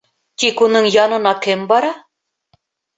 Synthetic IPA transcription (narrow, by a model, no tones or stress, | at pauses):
t̪ikunɤɴjɑnɤ̆nɑkɘmbɑɾɑ